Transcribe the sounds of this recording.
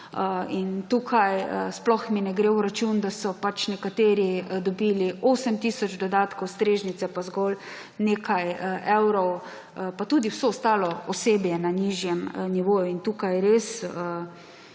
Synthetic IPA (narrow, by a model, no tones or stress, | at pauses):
əint̪uːkʰajəsplɔxminɛɡɾeːwɾat͡ʃund̪asɔpat͡ʃnɛkat̪eːɾid̪ɔbiːlioːsəmt̪iːsɔd͡ʒd̪ɔd̪aːt̪kɔwst̪ɾeːʒnit̪sɛpazɡɔl | neːkajʔɛwɾɔw | pat̪uːd̪iwsoːst̪aːlɔɔseːbjɛnaniʒjɛmniʋoːjuint̪uːkajɾesə